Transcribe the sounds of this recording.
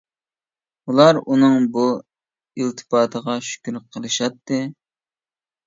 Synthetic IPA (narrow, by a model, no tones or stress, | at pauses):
ulˠɑɾunɨŋbu | ilt̪ʰɨ̥pɑːt̪ʰəʁɑʃy̥kʲyɾqʰəlˠɨʃɑt̪ːɨ